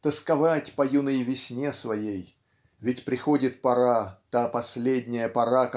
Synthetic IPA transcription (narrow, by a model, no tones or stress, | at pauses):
t̪əskɐvatʲpɐjunɨjvʲɪsʲnʲe̞svɐjej | vʲɪtʲpɾʲɪxodʲɪt̪̚pɐɾat̪apɐsʲlʲedʲnʲɪjəpɐɾak